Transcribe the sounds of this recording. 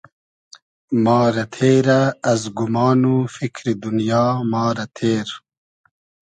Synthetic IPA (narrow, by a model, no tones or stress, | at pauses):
mɑːɾɐt̪ʰeːɾaːzɡumɑːnufikʰɾid̪unjɑːmɑːɾɐt̪ʰeːɾ